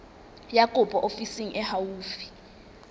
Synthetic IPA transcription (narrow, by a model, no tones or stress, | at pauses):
jakʼupʼɔʔofisiŋ̩ʔɛhawuːfi̥